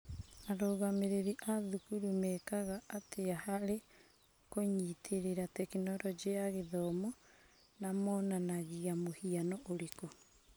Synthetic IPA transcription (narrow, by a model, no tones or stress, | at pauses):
aɾoːɣameɾeɾiʔaðukuɾumɛːkaɣaʔːtʰeahaɾe | koɲitʰeɾeɾatɛkinɔɾɔd͡ʒiaɣeðɔmɔ | namɔːnanaɣiamohianɔʔoɾeko